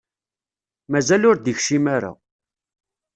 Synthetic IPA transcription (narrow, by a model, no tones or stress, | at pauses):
mæzælʊɾd̪əçʃimaɾa̰